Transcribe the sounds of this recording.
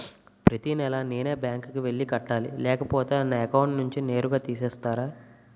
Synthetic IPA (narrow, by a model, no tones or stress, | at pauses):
pɾɐt̪inɛlɐne̞ːneːbjaːŋkkiʋe̞ɭːikɐʈːaːlḭlɛːkɐpoːt̪eːnːɐɛkɐwɳʈnuɲt͡ʃine̞ːɾuɡaːt̪iːsɛːst̪aːɾaː